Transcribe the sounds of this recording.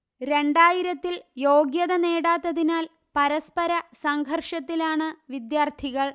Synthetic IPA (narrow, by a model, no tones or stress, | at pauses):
ɾe̞ɳɖaːjiɾɐt̪ːiljoːɡjɐðɐneːɽaːt̪ːɐðinaːl | pɐɾɐspɐɾɐsɐŋɡʱɐrʂɐt̪ːilaːɳɨʋid̪jaːrt̪ʰiɣɐɭ